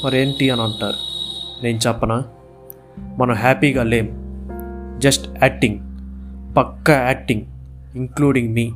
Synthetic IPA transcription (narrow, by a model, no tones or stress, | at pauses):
mɐɾeːnʈiɐnɐɳʈa̰ːɾune̞ːnut͡ʃɛpːɐnaː | mɐnɐmɦaːpiːɡaːle̞ːm | d͡ʒɐsʈɛːk̚ʈiŋɡ | pɐkːɐɛːk̚ʈiŋɡiŋkluːɽiŋɡmiː